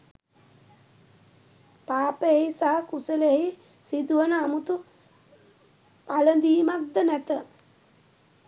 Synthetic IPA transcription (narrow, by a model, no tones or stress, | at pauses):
paːpəeisaɦəkusəleɦi | sid̪uʋənəamut̪u | palənd̪iːmat̪̚d̪ənæt̪ə